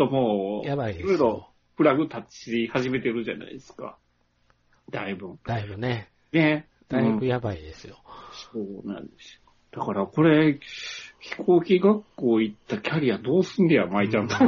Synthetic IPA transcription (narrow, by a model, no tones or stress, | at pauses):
t̪omoːjaaiiɾo̞iɾo̞ | ɸɯ̟ɾaɡɯ̟t̪at͡ɕihaʑime̞t̪e̞ɾɯ̟ʑa̰na̰ḭd̪esɨ̥ka̰ | d̪̥aibɯ̟̃d̪aibɯne | ne̞ | d̪̥aɯĩɯjabaid̪esɨjosoːnã̰nd̪esɨ̥o | d̪̥akaɾako̞ɾe̞ | çi̥kʰo̞ːkʲiɡakːo̞ːit̪ːakʲʰaɾʲijad̪o̞ːsɨ̃nd̪eamait͡ɕãnt̪a